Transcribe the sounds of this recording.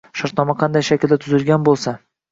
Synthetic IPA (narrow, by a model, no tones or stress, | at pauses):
ʃaɾt̪nɒmaqʰɑnd̪ajʃakʲɪld̪at̪ʰʊzɪlˠɡʲanbolˠsa